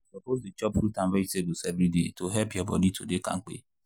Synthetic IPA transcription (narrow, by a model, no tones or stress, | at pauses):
sɔpozet͡ʃɔpfutãnvesebsɛvɾidetoɦɛpjɔbɔ̰ditʰodekã̰ŋ̩k͡pḛ